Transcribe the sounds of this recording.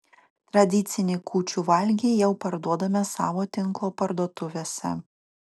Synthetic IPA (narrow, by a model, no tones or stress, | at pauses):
t̪ɾɐd̪ʲɪt̪sʲɪnʲekʰuːt͡ʃʲuːʋɐlʲɡʲejɛʊpɐɾd̪uɔd̪ɐmʲɛsɑ̰ːʋoːt̪ʲɪŋˑklˠoːpɐɾd̪uɔt̪ʊʋʲeːsʲɛ̰